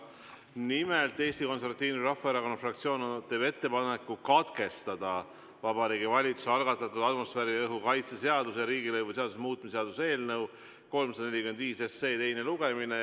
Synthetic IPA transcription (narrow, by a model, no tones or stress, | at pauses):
nimelt̪ˑːe̞ːst̪iko̞nseɾvɑt̪ːiːnurɑhfːɑeɾɑko̞nːɑfrɑkt̪sio̞ːnot̪eːbe̞t̪ːe̞pɑne̞kːˑukɑt̪ke̞st̪ɑd̪̥ɑ | vɑbɑɾiːɡivɑlʲit̪susɑlɡ̥ɑt̪ːˑɑt̪ːˑud̪̥ɑd̪mo̞sfæːɾiɤɦukɑjt̪sese̞ɑd̪̥usjɑɾiːɡilɤjvuse̞ɑd̪usmuːt̪̚ːˑmiseɑd̪use̞ːlnɤw | ko̞lmsɑd̪ɑne̞lʲikymend̪viːse̞sːe̞ːt̪e̞jne̞luɡ̥e̞mine